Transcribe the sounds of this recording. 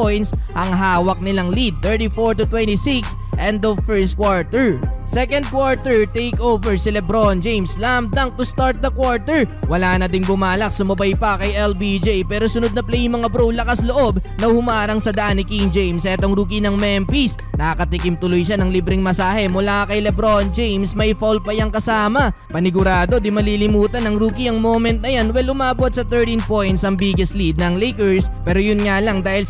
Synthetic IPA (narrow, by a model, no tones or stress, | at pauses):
ojnsʔɐŋɦaːwɐk̚nɪlaŋlid̪̚t̪ːɛɹt̪ifoɹt̪ʊt̪wɛnt̪isiks | ʔɛnd̪ɐfɛɹst̪̚kwaɹt̪ɛɹsɛkɐnd̪̚kwaɹt̪ɛɹt̪ejkʔowvɛɹsɛlɛbɾond͡ʒejmslamd̪ɐŋt̪ʊst̪aɹt̪̚d̪ɐkwaɹt̪ɛɹwɐlaːnɐd̪ɪnbʊmaːlɐk̚sʊmɐbajpɐkɐjʔɛlbid͡ʒjpɛːɾo̞sʊnod̪̚nɐplɛjŋmɐŋabɾowlɐkasloʔo̞b̚nɐhʊmaːɾɐŋsɐd̪ɐʔanːɪkiŋd͡ʒejmsʔɛt̪oŋɾuːk̬inɐŋmɛmpis | nɐkɐt̪ɪkimt̪ʊlojʃanɐŋlibɾɪŋmɐsaːɦɛmʊlakɐjlɛbɾo̞nd͡ʒejmsmɐjfolpɐjaŋkɐsaːmɐ | pɐnɪɡʊɾaːd̪o̞d̪imɐlilɪmuːt̪ɐnɐŋɾuːkiɐŋmo̞ːmɛnt̪̚nɐjanwɛlʊmaːbo̞t̪̚sɐt̪ɛɹt̪inpo̞jnt̪sɐŋbiːɡɛslid̪̚nɐːŋlejkɛɹspɛːɾojʊnŋalɐŋd̪aːhɪl